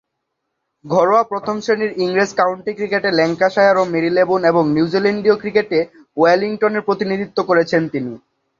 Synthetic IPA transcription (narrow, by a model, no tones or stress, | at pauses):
ɡʱɔɾoapɾot̪ʰomʃeniɾiŋɾeskawɳʈikɾikeʈelɛŋkaʃaeaɾomeɾilebuneboŋniud͡ʑileɳɖiokɾikeʈe | oeliŋʈoneɾpɾot̪inid̪ʱit̪ːokoɾet͡ɕʰent̪ini